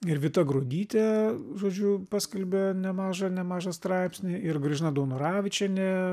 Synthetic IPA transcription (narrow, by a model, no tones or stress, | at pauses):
ɪɾʋʲɪt̪ɐɡɾoːd̪ʲiːt̪ʲeːʒoːd͡ʒʲʊpɑːsʲkʲɐlʲbʲɛnʲɛmɑːʒɐnʲɛmɑːʒɐst̪ɾɑɪpʲsʲnʲɪɪrɡrʲɪʒʲɪnɐd̪oːnoɾɑːʋʲɪt͡ʃʲɛnʲɛ